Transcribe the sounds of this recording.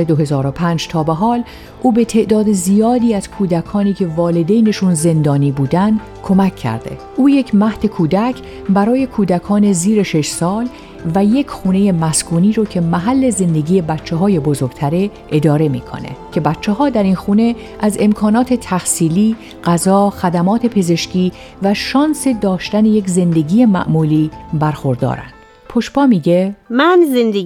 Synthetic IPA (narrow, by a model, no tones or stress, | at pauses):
ed̪oɦe̞zɒːɾo̞pʰænd͡ʒt̪ʰɒːbeɦɒːl | ʔuːbe̞t̪ʰe̞ʔd̪ɒːd̪ezijɒːd̪iːæz̥kʰuːd̪ækʰɒːniːcʰe̞vɒːle̞d̪ejne̞ʃunze̞nd̪ɒːniːbuːd̪ænd̪ | kʰo̞mæcʰːæ̰ɾd̪̥e̞̰ | ʔuːje̞cʰmæht̪e̞kʰuːd̪æcʰ | bæɾɒːje̞kʰuːd̪ækʰɒːne̞ziːɾe̞ʃe̞ʃsɒːl | væje̞cʰxuːne̞je̞mæskʰuːniːɾocʰe̞mæɦælːe̞ze̞nd̪eɟiːje̞bæt̪t͡ʃʰːeɦɒːje̞bo̞zo̞ɾɡ̥t̪ʰæɾeʔe̞d̪ɒːɾe̞mḭːkʰo̰nḛcʰe̞bæt̪t͡ʃʰːeɦɒːd̪æɾinxuːne̞ | ʔæze̞mkʰɒːnɒːt̪ʰet̪ʰæhsiːliː | ɢ̥æzɒːxæd̪æmɒːt̪ʰe̞pʰe̞ze̞ʃciː | væʃɒːnse̞d̪ɒːʃt̪æne̞je̞cze̞nd̪e̞ɟiːje̞mæ̰ʔmuːliːbæɾxo̞ɾd̪ɒ̰ːɾæ̰nd̪̥ | pʰoʃbɒːmiːɟemænzend̪e